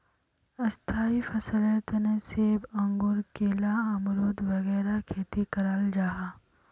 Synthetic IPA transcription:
ɐst̪ʰaːifɐsəlẽt̪ɐneseːbɐ̃ŋɡʊɾkeːlaɐmɾoːd̪ʋɐɣɛːɾakʰeːt̪ikɐɾaːld͡ʒaːɦaː

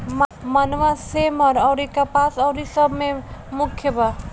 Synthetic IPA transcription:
mmənʋasemʌɾʌwɾikəpasʌwɾisʌbʱmemukʰjəba

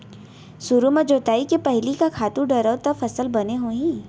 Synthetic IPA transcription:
suɾumɐd͡ʒoːt̪aːikepɛɦlikakʰaːt̪ũɖɐɾəːt̪ɐfɐsəlbɐneɦoɦĩ

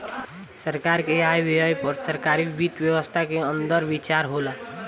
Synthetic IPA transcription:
səɾkaɾkeajbiɦəjpəɾsəɾkaɾibit̪ʋjəwəst̪ʰakeənd̪əɾbit͡ʃaɾɦola

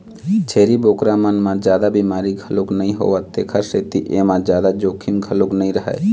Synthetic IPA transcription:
t͡ʃʰeːɾiboːkɾamənmãd͡ʒjaːd̪abiːmaːɾiɡʱəlʊknəĩɦo̰ːʋat̪eːkʰaseːt̪iʔemãd͡ʒjaːd̪ad͡ʒoːkʰimɡʱəloknəĩɾəɦa̰ː

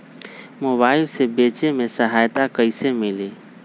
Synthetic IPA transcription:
moβailsebet͡ʃemesəɦajt̪akəɪsemili

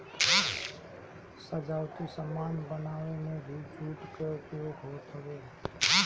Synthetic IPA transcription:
səd͡ʒaːʊt̪isəmaːnbənaːʋenẽbʱid͡ʒʱuːʈkekeoɡʱoːt̪ʰəʋe

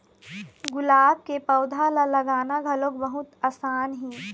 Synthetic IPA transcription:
ɡʊlaːb̚kepɐʊd̪ʱalalɐɡaːnaɡʱɐlokbəɦʊt̪aːsaːnɦĩː

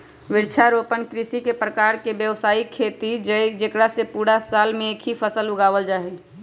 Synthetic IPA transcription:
ʋɪɾt͡ʃʰaɾoːpənkɾɪsikepɾəkaːɾkebjəʋsaːikʰːeːt̪id͡ʒd͡ʒekɽasepuːɽasaːlmẽeːkʰɦipʰəsəlʊɡaːʋəld͡ʒaːɦi

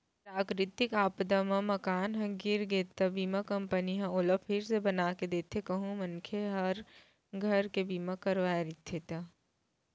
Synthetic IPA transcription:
pɾaːkɾɪt̪ɪkaːpd̪amãmɐkaːnɦɐ̃ɡɪɾɡeːt̪ːɐbiːmakɐ̃mpəniɦãoːləpʰɪɾsebɐnaːked̪eːt̪ʰekɐɦũmɐnkʰeɦɐɾ | ɡʱɐɾkebiːmakɐɾʋaːɾɪt̪ʰit̪a

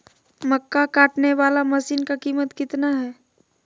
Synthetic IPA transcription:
mɐkːakaːʈneʋaːlamɐsiːnkakiːmət̪kɪt̪naɦɛː

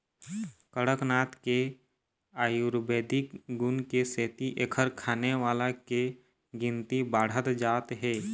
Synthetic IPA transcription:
kəɽəknaːt̪ke | aːjuɾbeːd̪ɪkɡʊnkeseːt̪iʔeːkʰəɾkʰaːneʋaːlake | ɡɪ̃nt̪ibaːɽ̤ət̪d͡ʒaːt̪ɦɛː

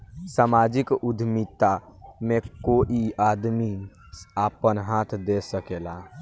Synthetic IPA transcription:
samad͡ʒikud̪ʱmit̪amẽkoʔiad̪mi | apənɦat̪ʰd̪esəkela

